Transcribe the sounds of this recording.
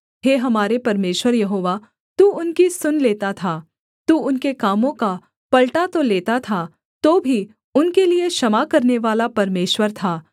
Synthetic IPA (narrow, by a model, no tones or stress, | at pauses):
ɦeːɦɐmaːɾepɐɾmeːʃwəɾjɐɦoːʋa | t̪uːʊnkisʊnleːt̪at̪ʰaː | t̪uːʊnkekaːmõka | pɐlʈat̪oleːt̪at̪ʰa | t̪oːbʱi | ʊnkelieʃɐmakɐɾneʋaːlapɐɾmeːʃwəɾt̪ʰaː